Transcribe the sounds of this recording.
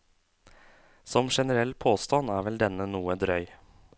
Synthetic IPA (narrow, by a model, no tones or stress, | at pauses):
sɔmʂɛnəɾɛlːpʰoːst̪ɑnæːɾʋɛld̪ɛnːənuːəd̪ɾœʏ